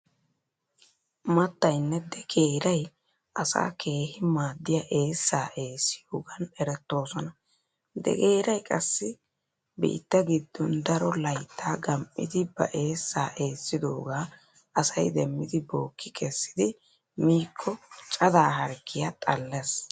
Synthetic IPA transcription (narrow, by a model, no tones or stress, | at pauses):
mɐt̪ːɐjnːɛd̪ɛɡeːɾɐj | ʔɐsa̰ːkʰe̞ːhɪmaːd̪ːɪjaʔe̞ːsːaːʔe̞ːsːɪjoːɡɐnɛɾɛt̪ːo̞ːsɔnɐ | d̪ɛ̰keːɾɐjkʼɐsːɪ | bḭːt̪ːɐɡɪd̪ːɔnd̪ɐɾɔlɐjt̪ʰːaːɡɐmʔɪ̰d̪ɪbɐ̰ʔe̞ːsːaːʔe̞ːsːɪd̪o̞ːɡaː | ʔɐsɐjd̪ɛmːɪd̪ɪbo̞ːkːɪkʰɛsːɪd̪ɪ | miːkʰːɔt͡ʃʼɐd̪aːɦɐɾkʰːɪjɐt̪ʼɐlːɛs